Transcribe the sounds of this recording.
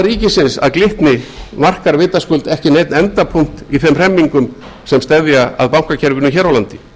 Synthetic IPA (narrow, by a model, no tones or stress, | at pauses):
riːcɪsɪnsa̰ðklɪht̪nɪmar̥kaɾvɪːt̪askʏlt̪ɛhcɪnejt̪nɛnt̪apʰuŋ̥t̪iθɛmr̥ɛmːiŋkʏm | sɛmst̪ɛðjaa̰ðpawŋ̥kacʰɛɾvʏnʏmçɛɾawlant̪ɪ̥